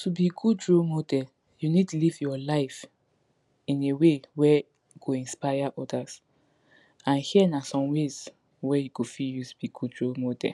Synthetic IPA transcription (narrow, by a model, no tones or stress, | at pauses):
tʰubiɡud̚dɹomodɛ | junid̚tulivjɔlaɪf | ĩnewewɛ | jukʰoĩnspajaʔɔdas | ãnhiɛnasɔ̃mwez | wɛjukofiljutu̥b̥iɡudɹomodɛ̰